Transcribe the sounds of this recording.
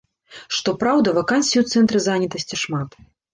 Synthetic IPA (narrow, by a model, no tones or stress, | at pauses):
ʂt̪ɔpɾawd̪ɐvɐkanʲsʲiuwt̪sɛnt̪ɾɨzanʲit̪ɐsʲt͡sʲiʂmat̪